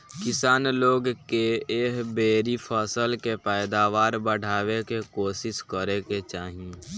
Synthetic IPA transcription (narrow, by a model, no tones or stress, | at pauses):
kɪsaːnloːɡkeeːɦbeːɾipʰəsəlkepɛːd̪aːʋaːɾbəɽ̤ʱaːwekekoːsɪskəɾeket͡ʃaːɦiẽ